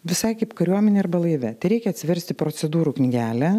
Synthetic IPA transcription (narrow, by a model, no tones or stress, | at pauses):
ʋʲɪsɐɪkɐɪpkɐɾʲuɔmʲɛnʲeːɐɾbɐlˠɐɪʋʲɛt̪ɐɪɾʲɛɪkʲɛɐt̪sʲɪʋʲɛɾʲsʲt̪ʲɪpɾot͡ssʲɛd̪uːɾuknʲɪɡʲæːlʲɛ